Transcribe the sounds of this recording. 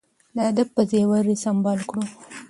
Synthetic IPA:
laad̪ab̚pəzewaɾesambɑlkɽu

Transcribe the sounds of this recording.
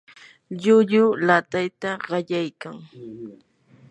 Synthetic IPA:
ʎʊʎʊlat̪ajt̪aɢɑʎajkaŋ

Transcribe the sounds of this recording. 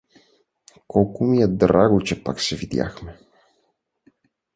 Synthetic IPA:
kɔlˠkʊmiɛd̪ɾaɡʊt͡ʃɛpaksɛvid̪ʲja̰xmɛ

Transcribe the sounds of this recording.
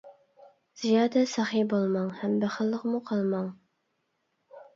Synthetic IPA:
z̥ijɑːd̪ɛsɑχibolˠmɑŋhɛmbæχəlˠːəqmuqʰɑlˠmɑŋ

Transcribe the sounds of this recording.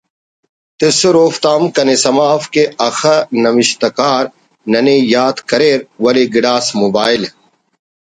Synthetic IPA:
t̪ɪsʊɾoːft̪aːmkɐnesɐmaːfkeɐxənɐmɪʃt̪ɐkaːɾ | nɐneːjaːt̪kɐɾeːɾwɐleːɡɪɽaːsmoːbaːɪl

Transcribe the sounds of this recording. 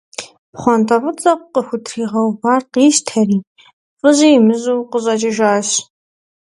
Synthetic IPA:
pχʷɔntʰʼɐʁɨt͡sʼɐqʷqəxʷʊtʰriːʁɐwbaːrqiːʃtʰɐriː | fʼɨʑiːjːmɨʑʼuːqəɕʼɐt͡ʃʼɪʒaːɕ

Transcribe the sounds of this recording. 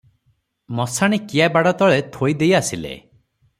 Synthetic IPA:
mɔsaɽ̃ikijabaɽɔt̪ɔɭet̪ʰojd̪ejasilḛ

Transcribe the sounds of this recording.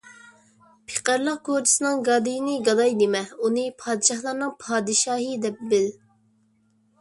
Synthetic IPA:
pʰe̥qæɾlˠəq̚kʰoɾt͡ʃʰi̥sɨnɨŋɡɑːd̪ijinɪɡɑd̪ɑjd̪emɛunɨpʰɑːd̪ɪʃɑhlˠɑɾnɨŋpʰɑːd̪ɨʃɑːɦɨd̪ɛp̚bɪl

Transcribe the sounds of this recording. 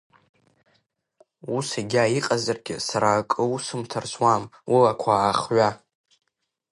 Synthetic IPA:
usaɡʲaiqʼazarɡʲɪ̰saɾaːkʼɨusɨmtʰarswamwʔilakʷʰaːχɥa

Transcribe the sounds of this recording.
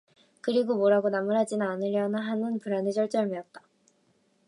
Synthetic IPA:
kɯɾiɡomoɾaɡonamɯɭɦad͡ʑinɯnanɯɾjʌnaɦanɯnpuɾanɯt͡ɕʌɭt͡ɕ͈ʌɭmiʌt̚t͈ḁ

